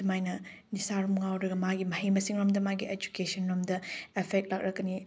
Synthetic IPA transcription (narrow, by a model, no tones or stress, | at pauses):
ɐmajnɐnisaɾumŋawɾɐɡɐmaɡimɐhɐjmɐsiŋɾomdɐmaɡied͡ʒu̥kesɐnɾomdɐepʰek̚t̚lak̚ɾɐkːɐni